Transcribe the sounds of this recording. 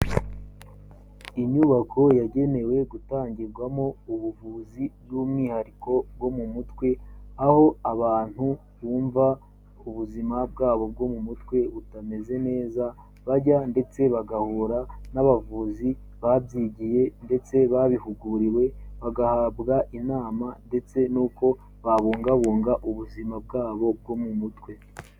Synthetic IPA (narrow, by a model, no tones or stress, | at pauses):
iɲuβakʰo̞jaɟe̞ne̞we̞ɡutaːɲɟiɾɡwamo̞uβuvuːzibjumŋihaɾiko̞b̚ɡo̞mumutwe̞aho̞aβaːn̥hu | βuːɱva | uβuzimab̚ɡaːβo̞b̚ɡo̞mumutwe̞βutame̞ze̞ne̞ːza | βaɾɟande̞t͡se̞βaɡahuːɾanaβavuːzi | βabjiːɟije̞nde̞t͡se̞βaβihuɡuɾiwe̞βaɡahabɡaʔinaːmande̞t͡se̞nuːko̞ | βaβuːŋɡaβuːŋɡaʔuβuzimab̚ɡaːβo̞b̚ɡo̞mumutwe̞